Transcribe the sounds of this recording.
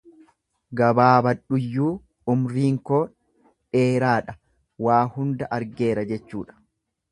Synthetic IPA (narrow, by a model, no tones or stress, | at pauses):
ɡɐbaːbɐᶑʊjːuː | ʊmɾiːŋkoː | ᶑeːɾaːᶑɐ | waːhʊnd̪ɐʔɐɾɡe̞ːɾɐd͡ʒɛt͡ʃːṵːᶑɐ̥